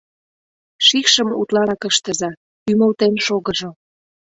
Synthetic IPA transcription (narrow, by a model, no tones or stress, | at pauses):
ʃixʃə̆mut̪lɑɾɑkəʃt̪ə̆zɑ | ymə̆lt̪enʃoɣə̆ʒo